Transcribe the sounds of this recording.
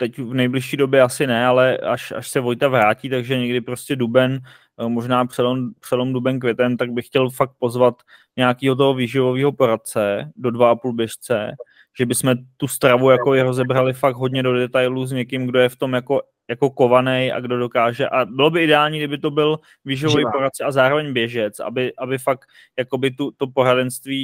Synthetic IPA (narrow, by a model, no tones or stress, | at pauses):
t̪ɛcvnɛjblɪʃiːdo̞bjɛasɪnɛalɛaʃa̰ʃsɛvo̞jt̪avɾaːciːt̪aɡʒɛɲɛɡdɪpɾo̞scɛdubɛn | mo̞ʒnaːpr̥ɛlompr̥ɛlomdubɛnkvjɛt̪ɛmt̪aɡ̚bɪxcɛlfak̚t̪̚po̞zvat̪ | ɲɛakiːɦo̞t̪̬oɦo̞viːʒɪvo̞viːɦo̞po̞ɾat̪̚t͡sɛdo̞dvaʔapuːlbjɛʃt͡sɛ | ʒ̥ɛbɪsmɛt̪ust̪ɾavujakobɪɾo̞zɛbɾalɪfakɦo̞dɲɛdo̞dɛt̪ajlus̬ɲɛkɪmɡdo̞jɛft̪o̞mjako̞ | jako̞ko̞vanɛjʔa̰ɡdo̞do̞kaːʒɛʔabɪlo̞bɪʔɪdɛaːlɲiːɡdɪbɪt̪o̞bɪl | viːʒɪvovijpo̞ɾat̪̚t͡sɛazaːɾo̞vɛɲbjɛʒɛt͡sʔa̰bɪʔabɪfak | jako̞bɪt̪ut̪o̞po̞ɾadɛnst̪viː